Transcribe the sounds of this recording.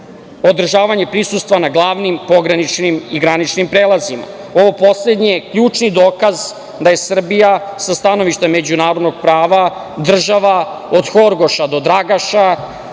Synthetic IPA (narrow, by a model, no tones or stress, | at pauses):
o̞d̪r̩ʒaːʋaɲe̞pɾisust̪ʋanaɡlˠaːʋnimpo̞ɡɾanit͡ʃnimiɡɾanit͡ʃnimpɾeːlˠazima̰ | o̞ʋo̞po̞sled̪ɲijekʎuːt͡ʃnid̪oːkaz | d̪aje̞sr̩bijasast̪ano̞ʋiʃt̪eme̞d͡ʑunaːɾo̞d̪no̞ɡ̚pɾaːʋa | d̪r̩ʒaʋa | od̪xoɾɡo̞ʃad̪o̞d̪ɾaɡaʃa